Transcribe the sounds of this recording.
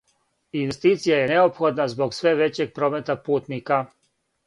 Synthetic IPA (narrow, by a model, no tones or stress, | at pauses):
inʋe̞st̪iːt̪sijajeneo̞pxo̞d̪nazbo̞ɡsʋe̞ʋe̞t͡ɕe̞ɡ̚pɾo̞ːmet̪apuːt̪nika